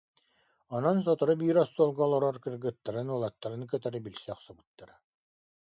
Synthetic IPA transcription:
ɔnɔns̬ɔt̪ɔɾɯbiːɾɔst̪uɔlˠɡɔːlˠɔɾɔɾkɯɾɡɯt̪ːaɾɯnulˠat̪ːaɾɯnkœt̪aɾibilʲsɛːχsabɯt̪ːaɾa

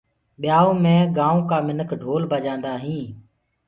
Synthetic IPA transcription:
ɓɪjaːõːmẽːɡãːũːkaːmɪnəkʰɖʱoːlbəd͡ʒãːnd̪aːɦĩː

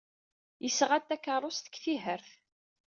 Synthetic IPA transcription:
jəsʁæt̪ːækːəɾˤʊst̪ə̥kːθiɦəɾθ

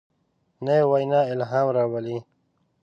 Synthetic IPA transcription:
nejewajnaːɪlɦaːmɾawali

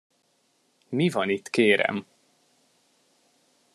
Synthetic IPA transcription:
mivɒnit̪ːkeːɾɛ̰m

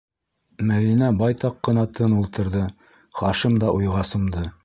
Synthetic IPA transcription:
mæðinæbɑjt̪ɑqːɤ̆nɑt̪ʰɤnulˠt̪ɤ̆ɾðɤ | χɑʃɤmd̪ɑʔujʁɑsɤ̆md̪ɤ

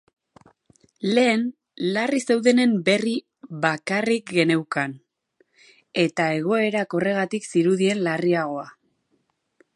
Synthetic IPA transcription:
le̞ːn | larise̞wðe̞ne̞mbe̞ri | βakarik̚ɡe̞ne̞wkan | e̞t̪ae̞ɣ̞o̞e̞ɾako̞re̞ɣ̞at̪iksiɾuðie̞nlariaɣ̞o̞a

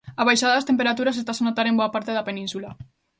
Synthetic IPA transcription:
aβajʃaðɐðɐst̪empeɾat̪uɾas̬est̪asanot̪aɾemboapaɾt̪eðɐpenĩnsula

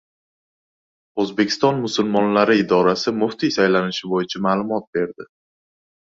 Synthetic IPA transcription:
ɵzbe̞kʲʰɪ̥st̪ɒnmʊsʊlmɒnlaɾɪɪd̪ɒɾasɪmʊht̪isajlanɪʃɪbojɪt͡ʃʰamaːlˠʊmɒt̪̚be̞ɾd̪ɪ

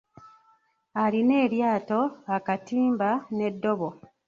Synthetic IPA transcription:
aline̞ːɾjaːto̞akatiːmbane̞dːo̞βo

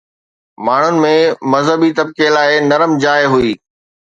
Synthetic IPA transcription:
maːɳ̤ʊnɪ̆mẽmɐzɦəbit̪ɐb̚kelaːɪnɐɾəmd͡ʑaːɪɦʊiː

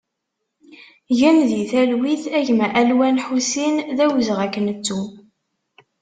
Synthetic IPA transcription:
ʝænðiθælwiθæʝmʔælwænħusinðæwəzʁækːənət͡sːu

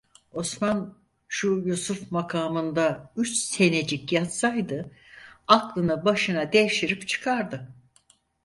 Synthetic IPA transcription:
o̞sman | ʃujusufmakʰaːmɯnd̪ayt͡ʃse̞ne̞d͡ʒikjat̪sajd̪ɯ | aklˠɯnɯbaʃɯnad̪ejʃiɾipt͡ʃʰɯ̥kʰaɾd̪ɯ

